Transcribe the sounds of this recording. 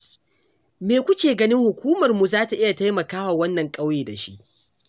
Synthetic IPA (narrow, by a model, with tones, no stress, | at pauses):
meː˨kʷʊ˦kʲeː˨ɡɐ˦nɪ˦ŋhʊ˨kʷuː˦mɐ˨rmu˨zaː˦ta˨ʔɪ˦ja˨ta˦jmɐ˨kaː˦wa˨wɐ˦nːɐ˨ŋkʼa˦wjeː˨da˨ʃi˦ʔ